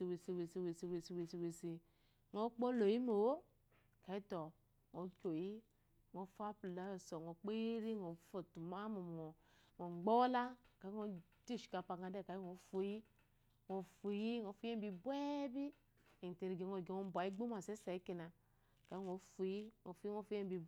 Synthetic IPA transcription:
i˨we˨si˨we˨si˨we˨si˨we˨si˨we˨si˨we˨si˨ | ŋo˦k͡po˦lo˨ji˦mo˨wo˦ | ka˨i˦to˨ | ŋo˨˦kʲo˨ji˦ | ŋo˨˦fa˦pu˨la˦o˨so˨ŋo˨k͡pe˦i˦ɾi˦ŋo˨˦fo˨tu˨ma˦mo˨mo˨ | ŋo˨ŋ͡mɡ͡bo˦la˦ka˨˦i˦ŋo˦ | d͡ʒi˦˨ʃi̥˨ka˨pa˨ŋa˨de˦˨ka˨˦i˦ŋo˨fo˨ji˦ | ŋo˨fu˨ji˦ŋo˨˦fu˦e˦m˦bi˨bwe˦bi˦ | e˨n˨te˨ɾi˨ɡe˨ŋo˨ɡe˨ŋo˨˦ba˨i˦ɡ͡bo˦ma˨se˦sa˨i˦ki˨na˨ | ka˨˦i˦ŋo˨˦fu˨ji˦ŋo˨fi˦ŋo˦fu˦e˦m˦bi˨

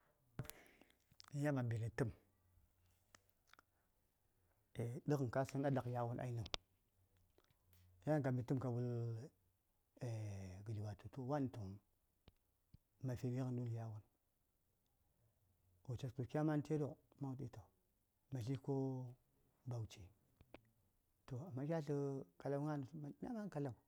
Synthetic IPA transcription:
a˦p | ja˦ma˨bi˨ɾi˨tə˦m | e˨də˦kn˨ka˦sə˦na˦da˨kja˦wu˦nʔa̰˨i˦na˨ | ja˦˨ka˨mi˨tu˦mka˨bu˦l | e˨ɡə˨di˨wa˨tu˨to˦wa˦n˨tu˨m | ma˨fe˨me˦ɣə˨ndu˦lja˦wu˦n | o˨t͡ʃa˨stu˨kʲa˦ma˦n˦te˦do˦˨kma˦u˨ti˦ta˨ | ma˨ɬi˦ko˦ | ba˨wt͡ʃe˨ | to˨a˨mːa˦kʲa˦ɬə˦ka˨la˦wŋa˦n˨˦ma˨˦n˦a˦ma˦n˦ka˨la˨

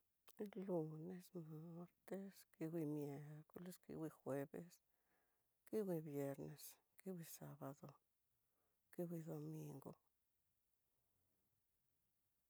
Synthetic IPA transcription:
lu˧ne˧sma˦ɾt̪e˧ski˧wʷi˧mje˧ɾko˧le˧˦skḭ˧wi˧xwe˧bḛ˧s | ki˦wʷi˧bje˧ɾne˨s | ki˦wʷi˧sa˧ba˧d̪o˧ | ki˧wʷi˧d̪o˧mi˧ŋɡo̰˧

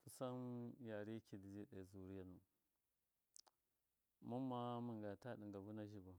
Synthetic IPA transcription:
fu˨sa˦nja˨ɾi˦ki˨di˨d͡ʒi˦ɗa˨zu˨ɾi˦a˨nu˨ | mu˦mːa˦mə˨ŋɡa˨ta˦ɗi˨ŋɡa˨bu˦na˦ʒi˨bu˨

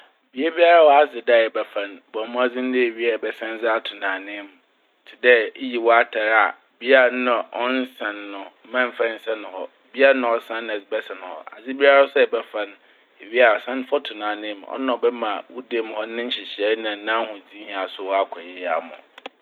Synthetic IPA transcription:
bi˨e˦bi˦a˦ɾa˦wɔ˦a˨˦zɪ˨dɛ˦˨ɛ˨bɛ˨fã˨nbɔ˨˦mʊ̃˦a˦d͡zɪ̃˦n̩˦dɪ˦e˨ɥi˦a˦˨bɛ˨sã˦n˦d͡zɪ˦a˦tʰʊ˨nãː˨nɪ̃˦˨m˨ | tʰɪ˨dɛ˦ji˨wɔ˦a˦tʰa˨ɾa̰˨ | bi˦a˦˨˦nã˨ɔ̃˦n˦sã˨nːʊ̃˨˦mã˦m̩˨fã˦n̩˨sa˦nʊ̃˨hɔ˦ | bi˦a˦nʊ̃˨ɔ˨sã˦nɛ˨zɪ˨˦bɛ˦sã˨ñ˨hɔ̰˨ʔa̰˨d͡zɪ˦bi˦a˦ɾa˦sɛ˦ɛ˨bɛ˦fã˦n˦ | e˨ɥi˦a˨sã˦n˦fɔ˦tʰʊ˨nãː˨nɪ̃˦m˨ɔ̰˦ñ˦˨ɔ˨bɛ˦mã˨wu˦de˦m˨hɔ˦nɪ̃˦n̩˦ɕɪ˨ɕɛ˦nã˨n̩˦nã˦hʊ̃˨d͡zĩ˦hĩ˦˨a˨sʊ˦wɔ˦a˦kʷʰɔ˨jɛ˦jɛ˦a̰˨mʊ̰̃˨

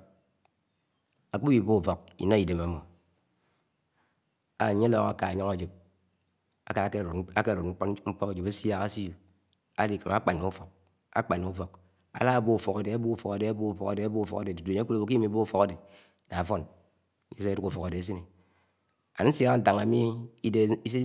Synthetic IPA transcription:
a˨k͡po˦bi˦˨bo˦u˨fo˨kḭ˨no˦i˨de˨ma˨mo˨ | a˦˨ɲe˦lo˦ŋa˦ka˨a˨ɲɔ˦ŋa˨d͡ʒe˨p̚ | a˨ka˨˦˨a˦ke˦˨ɾu˨t̩̚˦ŋ͡m̩˦k͡pɔ˦ka˨d͡ʒo˨ba˦sja˦ka˦si˦ju˨ | a̰˦li˦ka˨ma˦k͡pa˨nːu˨u˦fɔ˨k̚ | a̰˦k͡pa˨nːu˨˦fo˨k | a̰˨la˦a˨bo˦u˨fo˨ka˨de˨a˦bu˦u˦˨fo˨ka˨de˨a˦bo˦u˦˨fo˨ka˨de˨a˦bo˦u˦˨fo˨ka˨de˨tu˨tu˨ɲ˦ku˦la˦bo˨ki˦mi˦˨˦bo˦u˦fo˨ka˦de˨ | na˨fo˦n˦ | e˦se˦du˦ku˨fo˨ka˨de˨a˨˦s̬i˦ni˨ | a˨n˦n̩˦sja˦ka˦n̩˦ta˨ŋa˨˦mi˦i˦de˦i˦se˦

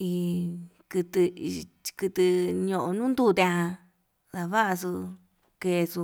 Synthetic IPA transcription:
i˧kɨ˧t̪ɨ˧i˧kɨ˧t̪ɨ˧ɲõ˧ʔõ˧nũː˦nd̪u˧t̪ẽ˧ã˧ | ða˧βa˦ʔa˧su˧ | ke˧su˧

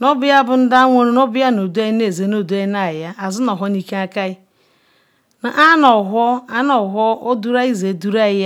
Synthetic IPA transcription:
nɔ˦bɪ˦ja˦bʊ˨n̩˦da˦a˦ŋʷo˦ɾu˦no˦bɪ˦ja˦no˨du˦a˦ne˨ze˨no˦˨du˦a˦na˨ja˦ʔa˨zʊ˦nɔ˨ɦɔ˦ni˦ke˦a˦ka˦ɪ˦ | na˨ʔa˦nɔ˨ɦʷɔ˦a˦nɔ˨ɦɔ˦ʔo˦du˦ɾa˦i˦ze˨du˦ɾa˦ja˦

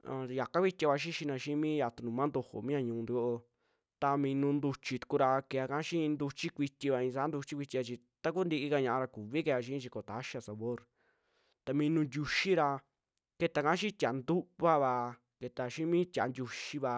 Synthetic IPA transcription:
a̰˧ja˨ka˦kʷi˦t̪ʲa˧βa˧ʃ̬i˦ʃi˧nã˧ʃĩ˦mĩ˦ja˨t̪u˧nũ˨mã˦nd̪o˧ho̰˨mĩ˦ã˧ɲũː˧nd̪i˧ko˧ʔo˧ | t̪a˧mĩ˧nũ˧nd̪u˧t͡ʃi˧t̪u̥˧ku˧ɾa˧ke˧˨a˧kã˧˦ʃĩ˦˧nd̪u˧t͡ʃi˦kʷi˧t̪ʲi˧βa˧ĩ˧s̬a˧˦nd̪u˧t͡ʃi˦kʷi˧t̪ʲi˧a˧t͡ʃi˧ | t̪a˦k̬u˦nd̪i˧ʔi˧ka˧ɲã˧ʔã˧ɾa˧ku˨βi˦ke˧a˧ʃ̬ĩ˦t͡ʃi˧ko˨t̪a˨˦ʃa˧sa˨˧βo˦ɾ | t̪a˧mĩ˧nũ˧ndʲu˧ʃi˦ɾa˧ | ke˧t̪a˨˧kã˧˦ʃĩ˦t̪ʲa˨˦nd̪u˦βa˦βa˧ | ke˧t̪a˧ʃĩ˦mĩ˦t̪ʲa̰˨ndʲu˧ʃi˧βa˧

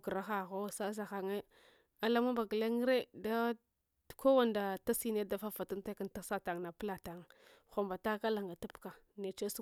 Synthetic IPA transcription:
ɡɾa˦xa˨ɣo˦sa˦z̬a˨xa˨ŋe˦ | a˨la˦ma˦ba˨ɡə˨le˦ŋ˦ɾe˦da˦˨ | ko˦wa˦nda˨ta˦si˦ne˦da˦fa˦fa˨tu˦nta˦ka˦nta˦sa˦ta˨ŋ˨na˨pə˦la˨ta˨ŋxo˨mba˨ta˦ka˦la˨ŋɡa˨tu˦pka˨ | ne˨t͡ʃe˦su˦

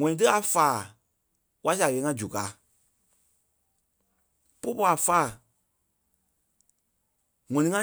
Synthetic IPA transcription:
ŋɔ̃˨nĩ˨˦t̬ɨ˦a˨faː˨ | kwa˦si˦a˨ɣeː˨˦ŋã˧d͡ʒu˨kaː˨˦ | po˦pɔ˧˦a˨faː˨ | ŋɔ̃˨nĩ˨ŋã˦

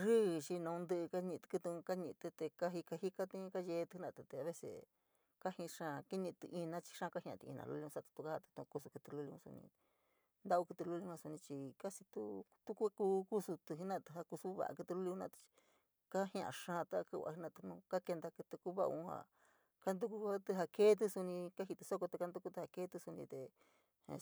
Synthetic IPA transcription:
ʐiː˦˨t͡ʃi˧nã˧ũ˧nd̪ɨ˧ka˦ɲĩ˧t̪ɨ̥˧kɨ˧t̪u˧ũ˧ka˦ɲĩ˧t̪ɨ˧t̪e˧ka˦ɦi˧ka˧hi˦ka˦t̪ĩ˦ka˦ʒe˧t̪i˦nã˧˨t̪u˧t̪e˧a˧˨βe˦sḛ˧ | ka˦hĩ˧ʂã˦˧ki˦ɲĩ˧t̪ɨ̰˧ʔi˧nã˦t͡ʃi̥˧ʂã˦˧ka˦hj̃ã̰˧˨t̪i˧ḭ˧nã̰˧lṵ˧˦lĩ˧a˦t̪u̥˧t̪u˧ka˦ha˧t̪u̥˧t̪ũ˧ku˧su˧ku˧t̪ɨ˧lu˧lũ˧sṵ˧nḭ̃˧ | nd̪a˦u˦ku˧t̪ɨ˧lu˦˧li˧˦˧ã˧su˧nĩ˧t͡ʃi˧ka˦si˧t̪u˦t̪u˦ku˦a˦ku˧ku˦su˧t̪u˧˨i˦nã˦˧t̪ɨ˧ɦa˧ku˧su˦βa̰˨ʔa̰˧kɨ˧t̪ɨ˧lu˦li˧u˦nã̰˧t̪t͡ʃi̥˧ | ka˦hã˧˨ã̰˨ʂã˦˧t̪a˦˧kɨ˦˧˨a̰˧hi˧˦nã˧˨t̪u˧nũ˧ka˦ke˧nd̪a˧kɨ˧t̪ɨ˧ku˦βa̰˦ṵ̃˧˦ha̰˧˨ | ka˦nd̪u˦ku˦˧a˦t̪ɨ˧ɦa˧ke˦t̪̬u˦su˧nĩ˧ka˦ɦi˧t̪ɨ˧so˦ko˧t̪e˧ka˧˦nd̪u˦ku˧t̪ɨ˧ha˧ke˦t̪u˧su˧nĩ˧t̪e˨˧

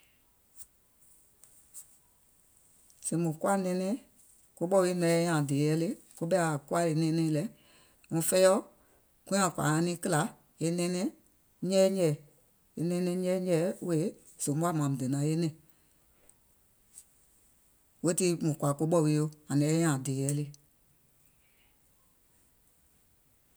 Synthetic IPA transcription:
sĩ˨mũ˨ku˦a˦nɛ̃˧˦nɛ̃˧˦ | ko˦ɓɔ˦˨wi˦nɛ̃˨˦ɛ˦ɲã˨de˨jɛ˧˦le˦ | ku˦ɓɛ˧˦a˨ku˦a˦e˨˧˦nɛ̃˧˦nɛ̃˧˦˧lɛ˨˦ | ŋũ˨˧˦fɛ˦ɔ˦ | kũ˦ã˨kwa̰˨ã˧˦nĩ˦kɨ˦la˨˦ | e˧nɛ̃˦nɛ̃˦ | ɲɛ̃ː˦ɲɛ˨ | e˧nɛ̃˧˦nɛ̃˧˦ɲɛ˦ɲɛ˦we˨˦ | z̥õ˨˦bu˦a˦˨mã˨m̩ũ˨dɨ˨nã˨˦e˦nɛ̃˨ | wo˦ti˧˦mũ˨kʷa˨ko˧˦ɓɔ˦˨wi˧˦o˧˦a˨nɛ̃˨˦ɛ˧˦ɲã˨deː˨jɛ˨˦le˧

